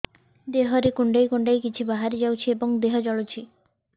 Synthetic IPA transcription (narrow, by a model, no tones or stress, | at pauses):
d̪eɦoɾikuɳɖajkuɳɖajkit͡ɕʰubaɦaɾid͡ʑawt͡ɕʰieboŋd̪eɦɔd͡ʑɔɭot͡ɕʰi